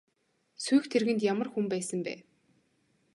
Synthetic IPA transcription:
sujxt̪ʰerɣɘ̆nt̪jamə̆rxumpæːsə̆mpæ̰ː

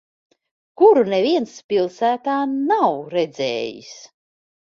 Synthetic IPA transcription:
kuɾuneviɛnspʲilˠsæːt̪aːnawɾɛd̪zɛ̰ːjḭs

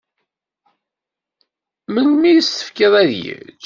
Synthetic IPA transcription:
mənmijəst̪ə̥fkiðˤæðjḭt͡sː

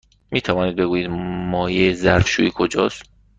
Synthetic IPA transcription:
miːt̪ʰævɒːniːd̪̚beɡuːjiːd̪mɒːjezæɾfʃṵikʰod͡ʒɒ̰ːst̪

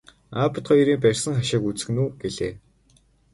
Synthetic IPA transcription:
aːpə̆t̪χɔjɾiːmpærʲsə̆ŋχaʃɪːkut͡sɘ̆nuːɡ̥eɮḛː

